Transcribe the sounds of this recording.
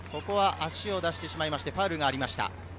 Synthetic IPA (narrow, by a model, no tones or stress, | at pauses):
ko̞ko̞βaʔaɕio̞d̪aɕi̥t̪e̞ɕimaimaɕi̥t̪eɸaɯɾɯ̟ɡaːɾʲimaɕi̥t̪a̰